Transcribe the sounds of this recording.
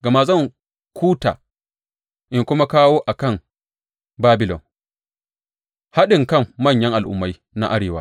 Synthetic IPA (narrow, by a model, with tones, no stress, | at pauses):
ɡa˨ma˦zɐ˦˨ŋ | kʷuː˦ta̰ː˨ | ʔɪ˦ŋkʷʊ˦ma˦kaː˦woː˦ʔa˨kɐ˦˨ŋ | baː˦bɪ˨lɔ̰˨n | ha˦ɗɪ˨ŋkɐ˦˨mːɐ˦˨ɲjɐ˦ŋʔa˨lʔʊ̰˨mːa˦j | na̰˦ʔa˦ɽeː˨waː˦